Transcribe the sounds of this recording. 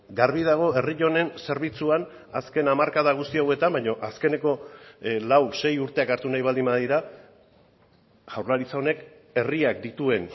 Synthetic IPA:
ɡaɾβið̞aɣ̞o̞e̞riʎo̞ne̞nse̞ɾβ̞it͡suan | aske̞namaɾkaðaɣ̞ust̪iawe̞t̪ambajɲo̞ʔaske̞ne̞ko̞lawse̞juɾt̪e̞akaɾt̪unajβald̪imbaðiɾa | ʝawɾlaɾit͡sao̞ne̞k | e̞riakd̪it̪ue̞n

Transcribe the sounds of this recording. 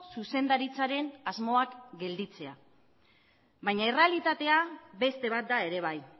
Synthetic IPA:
suse̞nd̪aɾit͡saɾe̞nazmo̞akɡe̞ld̪it͡se̞a | βajɲaere̞alit̪at̪e̞abe̞st̪e̞β̞at̪̚d̪ae̞ɾe̞β̞aj

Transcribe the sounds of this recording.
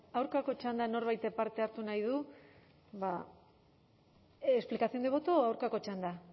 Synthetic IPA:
awɾkako̞t͡ʃand̪ano̞ɾβajt̪paɾt̪e̞aɾt̪unajðu | βa | esplikasθiond̪eβo̞t̪oawɾkako̞t͡ʃand̪a

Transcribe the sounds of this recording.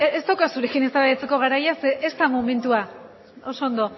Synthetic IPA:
est̪awkasuɾe̞kine̞saβaðet͡se̞ko̞ɣaɾajaseʔest̪amome̞nt̪ua | o̞so̞ːnd̪o̞

